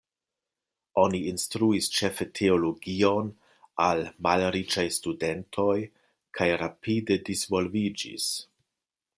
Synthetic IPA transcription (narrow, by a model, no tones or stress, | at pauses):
o̞niinstɾuist͡ʃe̞fetʰeoloɡio̞n | almalɾit͡ʃajstude̞ntʰo̞j | kʰajɾapide̞disvo̞lvid͡ʒḭs